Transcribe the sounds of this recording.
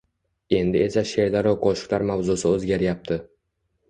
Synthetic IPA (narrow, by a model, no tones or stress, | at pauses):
e̞nd̪ɪe̞saʃe̞ɾd̪aɾɒkʰoʃɪ̥klaɾmavzʊsɪɵzɡʲaɾjap̚t̪ʰɪ